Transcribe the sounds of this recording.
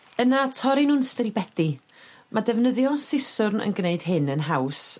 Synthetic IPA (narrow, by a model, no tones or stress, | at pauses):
ənatʰɔɾinuːnstəɾibɛd̥i | madɛvnəðjɔsɪsʊrnə̰nɡneɨd̥ɦɪnənɦaws